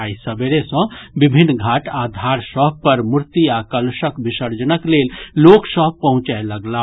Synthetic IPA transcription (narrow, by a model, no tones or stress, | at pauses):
aisəbeɾesə̃bibʱinːɡʱaʈad̪ʱaɾsəɦpəɾmuɾt̪iakəlsəkbisəɾd͡ʒənəklelloksəɦpəɦũt͡ʃaeləɡla